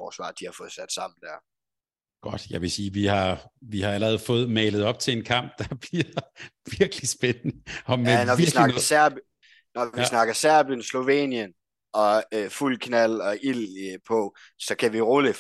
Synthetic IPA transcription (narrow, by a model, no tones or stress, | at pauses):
fɒ̰ːsʋɑ̰̈d̥ihɑ̈fɔ̽ːð̞̩ˠsæd̥sɑ̈m̰n̩d̥æɐ | ɡ̥ɒ̽d̥jɑ̈ɪʋe̝siːʋihɑ̈ʋihɑ̈ælɐʁɛð̞̩ˠfɔ̽ːð̞̩ˠmɛːləð̞̩ˠɒ̽b̥̚t͡sʰe̝le̝nkʰɑ̈m̰b̥̚d̥ɑ̈b̥liɐʋiɐɡ̥əlisb̥enənəɒ̽menɒʋisnɑɡɐsæɐ̰b̥ | nɒʋisnɑ̈ɡ̥ɐsæɐ̰b̥jənslo̝ʋḛːnjən | ɒ̽fulkʰnæl̰ɒ̽ʔilpʰɔ | sɒ̽kʰæʋiʁolə